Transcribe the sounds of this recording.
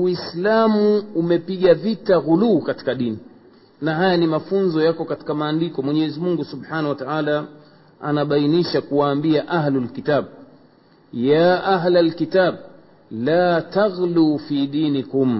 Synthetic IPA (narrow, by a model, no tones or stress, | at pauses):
wislamuumɛpiɠavitaɣuluːkati̥kaɗini | naɦajanimafunzɔjakɔkati̥kamaːndikɔmwɛɲɛːzimuŋɡusubħanawataʕaːla | a̰naɓainiʃakuwaːmbiaʔaɦlulkitaːɓ | jaːʔaɦlalkitaːɓ | laːtaɣluːfiɗiːnikum